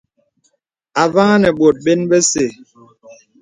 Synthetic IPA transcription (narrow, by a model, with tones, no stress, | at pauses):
a˨va˦ŋa˦nɛ˨ɓo˨t̚ɓe˦nɓɛ˦se˨